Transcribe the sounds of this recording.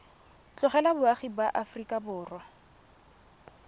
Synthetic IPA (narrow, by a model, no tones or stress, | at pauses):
t͡ɬʼʊχɛlabʊaχibaʔafrikʼabʊːrwa